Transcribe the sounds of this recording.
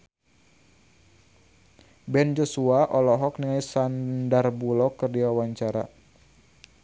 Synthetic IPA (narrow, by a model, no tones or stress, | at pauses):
bɛnd͡ʒɔsuaʔɔlɔɦɔkniŋajsandarbulɔkərdiawaɲt͡ʃaɾa